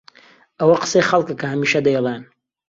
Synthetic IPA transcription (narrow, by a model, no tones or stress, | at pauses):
ʔɐwɐqə̥sejxɐlˠkakʰɐhɐmiːʃɐd̪ɐjɛlˠen